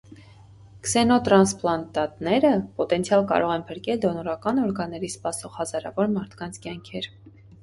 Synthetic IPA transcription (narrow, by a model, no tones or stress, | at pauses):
ksɛnɔt̪ɾɑnsplɑnt̪ɑt̪nɛɾəpɔt̪ɛnt͡sʰjɑlkɑ̰ɾɔʁɛnpʰəɾkɛld̪ɔnɔɾɑkɑnɔɾɡɑnːɛɾispɑsɔʁhɑzɑɾɑ̰vɔɾmɑɾt̪ʰkɑnt͡sʰkjɑŋkʰɛɾ